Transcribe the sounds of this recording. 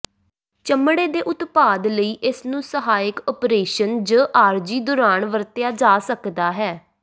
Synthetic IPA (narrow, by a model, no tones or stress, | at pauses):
t͡ʃəmɽeːd̪eːʔʊt̪paːd̪ləiːʔɪsnũːsəɦaːɪkɔːpɾeːʃənd͡ʒəːʔaːɾd͡ʒiːd̪ʊɾaːɳʋəɾt̪ɪjaːd͡ʒaːsəkd̪aːɦɛː